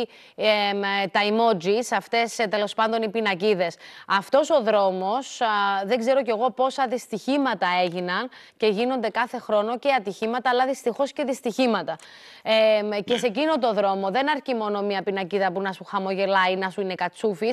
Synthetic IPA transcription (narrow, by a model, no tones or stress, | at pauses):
t̪ɐimo̞d͡zisɐft̪e̞st̪e̞lo̞spɐnd̪o̞nipinɐciðe̞sɐft̪o̞so̞ðɾo̞mo̞sðeɡze̞ɾo̞ce̞ɣo̞po̞sɐðist̪içimɐt̪ɐe̞ʝinɐnce̞ʝino̞nd̪e̞kɐθe̞xɾo̞no̞ceɐt̪içimɐt̪ɐːlɐðist̪ixo̞sce̞ðist̪içimɐt̪ɐ | ece̞se̞cinot̪̬o̞ðɾo̞mo̞ðe̞nɐɾcimo̞no̞miɐpinɐciðɐpunɐsuxɐmo̞ʝe̞lɐinɐsuine̞kɐt͡sufis